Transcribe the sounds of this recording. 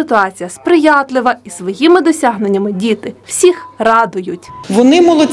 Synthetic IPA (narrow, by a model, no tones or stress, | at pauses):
ɪt̪ʊɑt͡sʲijɐspɾɪjɑt̪lˠɪʋɐisʋɔjimɪd̪ɔsʲɑɦnenʲːɐmɪdʲit̪ɪw̥sʲixrɑd̪ʊjʊtʲʋɔnɪmɔlˠɔ